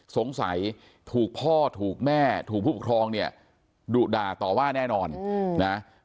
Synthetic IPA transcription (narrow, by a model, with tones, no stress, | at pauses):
so˨˩˦ŋsa̰˩˦j | t̪ʰuː˨˩k̚pʰɔː˥˩t̪ʰuː˨˩k̚mɛː˥˩t̪ʰu˨˩k̚pʰuː˥˩pa˨˩kʰɾɔː˧ŋni˥˩ɐ | duː˨˩t̪̚daː˨˩t̪ɔː˨˩waː˥˩nɛː˥˩nɔː˧nna˦˥